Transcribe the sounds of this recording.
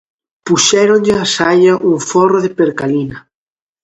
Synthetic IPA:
puʃɛɾõnʎɪasaʎɐʔuɱforoðepeɾkalinɐ

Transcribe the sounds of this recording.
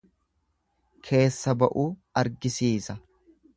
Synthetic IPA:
kʰe̞ːsːɐbɐʔuːɐɾɡɪsiːsɐ

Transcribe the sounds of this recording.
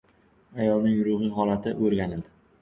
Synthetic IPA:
ajɒlˠnɪŋɾʊhɨɦɒlat̪ʰɪʔɵɾɡʲanɪd̪ɪ

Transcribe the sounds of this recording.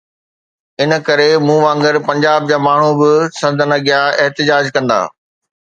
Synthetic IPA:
ɪnə̆kɐɾemũːʋãːŋɡəɾpɐ̃ɲd͡ʑaːb̚d͡ʑaːmaːɳ̤ubɪsɐ̃nd̪ʱənɐɡijaɪɦt̪ɪd͡ʑaːd͡ʑkɐ̃nd̪a̰ː

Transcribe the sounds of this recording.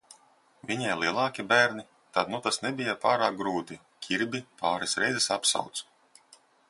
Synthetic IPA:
vʲiɲajlˠiɛlˠɑːkʲibæːɾni | t̪ad̪nut̪asnɛbʲijapaːɾaːk̚ɡɾuːt̪i | kʲʰiɾbʲipaːɾɛsɾɛ̰jzɛsapsa̰wt̪s

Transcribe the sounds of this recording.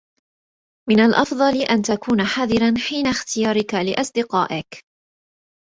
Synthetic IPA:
mɪnalʔɑfd̪ˤɑlʔant̪akuːnaħaːðˤɪɾanħiːnaxt̪ɪjɑːɾɪkalɪʔɑsˤd̪ɪqɑːʔɪk

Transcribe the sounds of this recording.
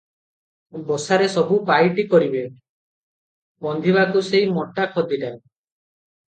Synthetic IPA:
bɔsaɾesɔbupajʈikɔɾibe | bɔnd̪ʱibakuseimɔʈakʰɔd̪ʱiɖa

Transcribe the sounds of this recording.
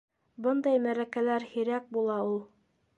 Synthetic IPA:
bɤnd̪ɑjmæɾækælæɾhiɾæk̚bulˠɑulˠ

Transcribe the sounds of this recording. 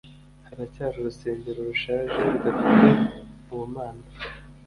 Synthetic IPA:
haɾacaːɾoɾuse̞ːɲɟe̞ɾoɾuʃaːʒeɾuɡafite | uwumaːna

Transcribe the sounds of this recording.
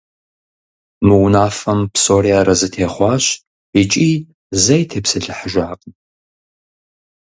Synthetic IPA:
mɨwnaːfɐmpsoːɾiaːɾɐzɨtʰeːχʷɑːɕ | it͡ʃʼiː | zɐjtʰeːpsɨɬɨħəʒaːqʼ

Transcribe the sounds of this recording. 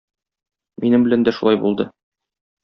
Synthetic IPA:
minɘmbɘ̆lænd̪æʃulˠɑjbṵlˠd̪ɤ

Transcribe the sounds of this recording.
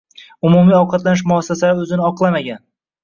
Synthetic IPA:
ʊmumijɒwqʰɑt̪lanɪʃ̬mʊhɒsːasalaɵzɪnɪɒqlˠamaɡʲan

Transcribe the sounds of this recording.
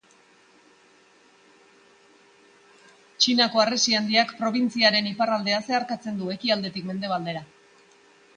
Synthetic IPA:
t͡ʃinako̞aresiand̪iakpɾo̞β̞int͡siaɾe̞niparald̪e̞ase̞aɾkat͡se̞nd̪ue̞kiald̪e̞t̪ikme̞nd̪e̞β̞ald̪e̞ɾa

